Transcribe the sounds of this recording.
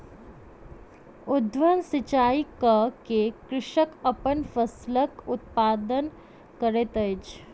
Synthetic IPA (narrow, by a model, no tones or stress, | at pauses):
ʊd̪ʋənsɪt͡ʃaːikəkekɾɪʃəkɐpənfəsləkʊt̪̚paːd̪ən | kəɾet̪ət͡ʃ